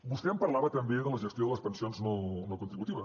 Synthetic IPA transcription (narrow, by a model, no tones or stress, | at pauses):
bust̪ɛəmpəɾlaβət̪əmbeðələʒəst̪joðələspənsionznonokunt̪ɾiβut̪iβə